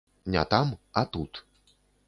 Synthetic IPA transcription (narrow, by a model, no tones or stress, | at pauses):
nʲɛ̰t̪amɐt̪ut̪